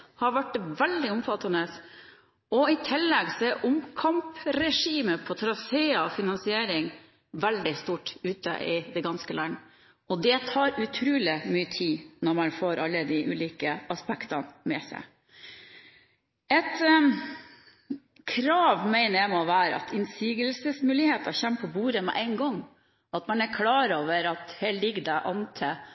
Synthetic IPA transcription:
hɑɾʋæʈʋɛld̪ɪʊmfɑt̪ːɑnəs | ɔɪt̪ʰɪlːɛɡseʔʊmkʰɑmpɾɛʂiːməpʰɔt̪ʰɾɑseːɑɔfɪnɑnsɪeːɾɪŋ | ʋæld̪ɪst̪uːʈʉːt̪ə̰ʔɪd̪ɛɡɑnskəlɑn | ɔd̪ɛt̪ʰɑːɾʉt̪ʰɾʉːlɪmyːət̪ʰiːnɔɾmɑnfoːɾʔɑlːəd̪ɪʔʉ̰ːliːkəɑspɛkt̪ɑnmɛsæ̰ɪ | ɛt̪ | kʰɾɑːʋmæɪnəɾæɪmɔʋæːɾə̰ɑ̰t̪ʰɪnsiːɡəlsəsmʉːlɪheːt̪ɑçɛmpʰɔbuːɾəmɛ̰ʔæɪnɡɔŋː | ɑt̪mɑnæɾkʰlɑːɾoːʋəɾɑt̪heːllɪɡəd̪ɛʔɑnt̪ʰə

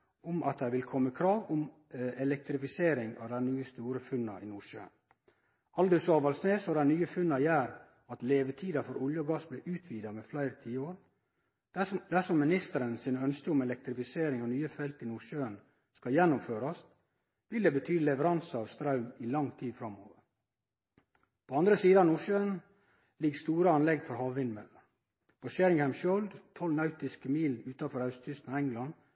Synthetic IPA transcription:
ʊmʔɑ̰t̪̚d̪æɪʋɪlkʰɔmːəkʰɾɑːʋʊm | ɛlɛk̚t̪ɾɪfɪseːɾɪŋɑ̰ʋd̪ænyːəst̪uːɾəfʉnːɑ̰ʔɪnuʂø̰ːn | ʔɑld̪ʉsɑːʋɑlsneːsɔd̪æɪnyːəfʉnːɑjæːɾ | ɑt̪leːʋət̪ʰiːd̪ɑfɔɾʊljəɔɡɑsblɛːʔʉːt̪ʰʋiːd̪ɑmɛflæɪɾət̪ʰiːəoːɾ | d̪æʂɔmːɪnɪst̪əɾənsiːnəœnskəʊmɛlɛk̚t̪ɾɪfɪseːɾɪŋɑnyːəfɛlt̪ɪnuːʂøːən | skɑjɛnːʊmføːɾɑs | ʋɪld̪eːbət̪ʰyːlɛʋəɾɑnsəɑːʋst̪ɾɑʉmɪlɑŋt̪ʰiːd̪fɾɑmo̰ːʋəɾ | pʰoɑnd̪ɾəsiːd̪əɑʋnuːʃøːən | lɪɡst̪uːɾəɑnlɛɡfɔɾhɑːʋʋɪnmɛlːə | pʰoʃeɾɪŋhæɪmʃɔld̪t̪ʰɔlnɑʉt̪ɪskəmiːlʉːt̪ɑfɔɾɑʉst̪ʰʏst̪nɑːɛŋɡlɑn

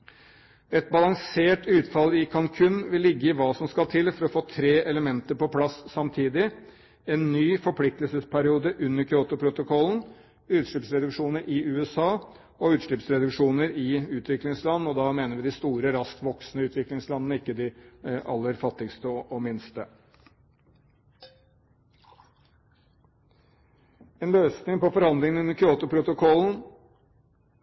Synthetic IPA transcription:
ɛt̪̚bɑlɑŋseːʈʉːt̪fɑlɪkʰɑŋkʰʉnʋɪlːɪɡːəɪʋɑːsɔmskɑlt̪ʰɪlfɔɾɔfoːt̪ʰɾeːʔɛləmɛnt̪əɾpɔpʰlɑsːɑmt̪ʰiːd̪ɪ | ɛnːyːfɔpʰlɪk̚t̪əlsəspʰæɾɪuːd̪əʔʉnːəɾkʰɾoːt̪ʊpʰɾʊt̪ʊkʰɔlːn̩ | ʉːt̪ʂɭɪpsɾɛd̪ʉkʂuːnəɾɪʉːɛsɑː | ɔʉːt̪ʂɭɪpsɾɛd̪ʉkʂuːnəɾɪʉːt̪ʰʋɪklɪŋslɑnːɔd̪ɑmeːnəɾʋɪd̪ɪst̪uːɾəɾɑskʋɔksnəʉːt̪ʋɪklɪŋslɑnənəɪkːəd̪ɪʔɑ̰lːəɾfɑt̪ːɪɡst̪əɔʔɔmɪnst̪ə | eːnløːsnɪŋpɔfɔɾhɑnd̪lɪŋənʉnːəɾkʰɾʏoːt̪ʊpʰɾʊt̪ʊkʰɔln̩

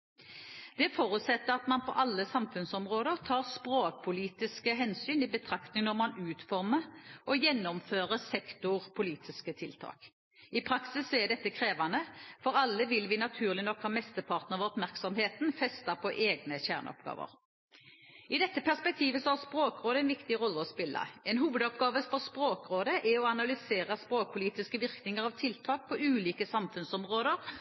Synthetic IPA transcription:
d̪̥ɛfoːʁʉt̪sɛt̪ːəʁɑt̪mɑnpʰɔ̰ʔɑlːəsɑmfʉnsɔmʁoːd̪əʁt̪ʰɑːʁspʁoːk̚pʰʊliːt̪ɪskəɦɛnsyːnɪbət̪ʰʁɑkt̪nɪŋnɔʁmɑnʉːt̪fɔʁməʁʔɔjɛnːɔmføːʁəsɛkt̪ʊʁpʰʊliːt̪ʰɪskət̪ʰɪlt̪ʰɑ̰ːk | ɪpʰʁɑksɪsːɔɛd̪ɛt̪ːəkʰʁeːʋɑnəfɔɾɑlːəʋɪlʋɪnɑt̪ʰʉːʁlɪnɔkhɑːmɛst̪əpʰɑːʁt̪nəʁɑʋɔpmæʁksɔmɦeːt̪nfɛst̪ɑpʰɔʔeːɡnəçæʁnɔ̰pɡɑ̰ːʋə̰ɾ | ɪd̪ɛt̪ːəpæʁspɛk̚t̪ʰiːʋəsɔhæʁspɾoːkʁoːd̪əɛnʋɪkt̪ɪʁɔlːəɔspɪlːɑ̰ɛnɦuːʋəd̪ɔpɡɑːʋəfɔʁspɾoːkɾoːd̪əʔɛɔɑnɑlʏseːɾəspɾoːk̚pʰʊliːt̪ɪskəʋɪʁknɪŋəʁɑʋt̪ʰɪlt̪ʰɑːk̚pʰɔʔʉːliːkəsɑmfʉnsɔmʁoːd̪əʁ

